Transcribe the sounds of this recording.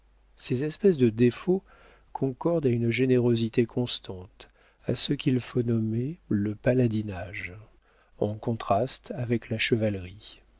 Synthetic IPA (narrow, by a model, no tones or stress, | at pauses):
sezɛspɛsd̪əd̪efo | kʰɔ̃kɔʁd̪aynʒeneʁozit̪ekʰɔ̃st̪ɑ̃t̪ | asəkʲilfonɔmeləpalad̪inaʒ | ɑ̃kɔ̃t̪χast̪avɛklaʃəvalʁi